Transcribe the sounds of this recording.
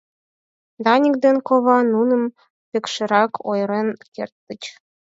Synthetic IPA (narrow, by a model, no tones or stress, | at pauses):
d̪ɑnʲik̚d̪enkoβɑnunɤ̆m | pʲĕkʃĕɾɑkʰojɾenkḛrt̪ːə̆t͡ɕ